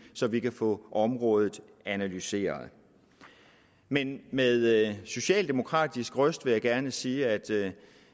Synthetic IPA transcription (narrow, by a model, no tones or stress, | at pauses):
sɒ̽ʋikʰæfɔ̰̽ːʔɒ̽mʁɔ̽ːð̞ˠð̩ˠ | ænælyse̝̰ːɐð̩ˠ | menmeðˠso̝ɕɛ̰ːld̥e̝mo̝kʰʁɑ̰̈ːd̥isɡ̥ʁœsd̥ʋe̝jɑ̈ɪɡ̥æɐnəsiːæd̥